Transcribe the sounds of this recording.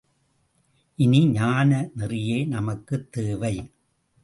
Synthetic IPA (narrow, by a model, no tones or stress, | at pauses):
ʔɪniɲaːnɐnɪrɪjeːnɐmɐkːɯt̪ːeːʋɐɪ